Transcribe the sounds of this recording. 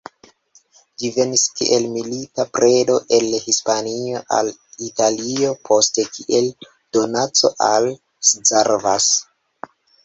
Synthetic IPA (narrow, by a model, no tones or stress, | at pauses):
d͡ʒive̞niskḭʔe̞lmilitapɾʔe̞do̞ʔe̞lhispanio̞ʔa̰litalio̞pʰo̞ste̞kʰiʔe̞l | d̥o̞nat͡so̞̰ʔal | sd͡zaɾvas